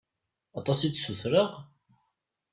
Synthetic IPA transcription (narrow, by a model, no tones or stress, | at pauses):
ɑt̪ˤɑsit͡sːsuθɾəʁ